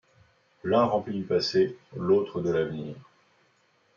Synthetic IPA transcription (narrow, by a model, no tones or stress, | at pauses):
lɛ̃ʁɑ̃plid̪ypaselot̪χəd̪əlavniːʁ